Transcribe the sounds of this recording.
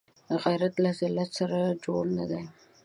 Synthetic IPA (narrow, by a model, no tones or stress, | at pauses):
ɣajɾat̪lazɪlat̪saɾad͡ʒoɽnad̪a